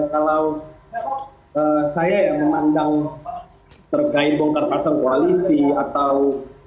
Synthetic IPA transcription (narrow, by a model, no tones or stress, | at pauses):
kalaw | əsajajaŋməmandaŋ | t̪ərɡaɪbɔŋt̪ərpasaŋkoalisiat̪aw